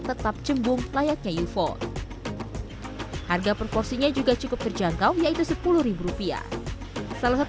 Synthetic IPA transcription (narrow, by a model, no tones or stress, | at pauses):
t̪ət̪ap̚t͡ʃəmbʊŋlajat̪̚ɲajufɔ̰ | harɡapərpɔrsiɲad͡ʒuɡat͡ʃukʊp̚t̪ərd͡ʒaŋkawjait̪usəpulʊhɾibuɾupia̰ | salasat̪